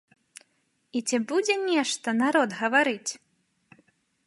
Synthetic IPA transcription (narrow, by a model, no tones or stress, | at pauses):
it͡sʲɛbud͡zʲɛnʲɛʂt̪ɐnaɾɔd̪ɣɐvaɾɨt͡sʲ